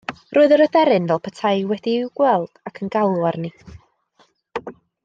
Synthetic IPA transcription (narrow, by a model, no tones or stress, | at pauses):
rʊːɨðəɾəðɛɾɨnvɛlˠpʰətʰaɨwɛdiwɡwɛlˠd̥akʰənɡawlˠwarni